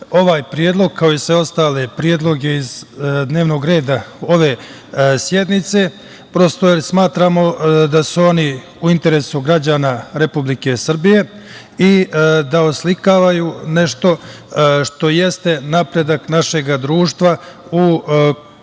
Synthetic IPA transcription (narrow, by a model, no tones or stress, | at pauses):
o̞ʋaːjpɾijed̪lˠo̞ɡ̚kʰao̞isʋe̞ost̪aːle̞pɾije̞d̪lˠo̞ɡe̞izd̪ne̞ːʋno̞ɡɾe̞ːd̪ao̞ʋe̞ː | sje̞d̪nit̪se̞ | pɾo̞st̪ojesmaːt̪ɾaːmo̞d̪asuo̞ni | uint̪e̞ɾe̞suɡɾad͡ʑaːnaɾepublike̞sr̩bije̞ | id̪aoslikaːʋajuːne̞ʃt̪o̞ | ʃt̪o̞je̞st̪e̞napɾe̞d̪aknaʃe̞ɡad̪ɾuːʃt̪ʋau